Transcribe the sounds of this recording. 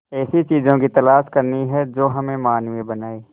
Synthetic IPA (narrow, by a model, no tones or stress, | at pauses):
ɛːsit͡ʃiːzõkit̪ɐlaːʃkɐɾniɦɛd͡ʒoːɦɐmẽmaːnʋebɐnaːiː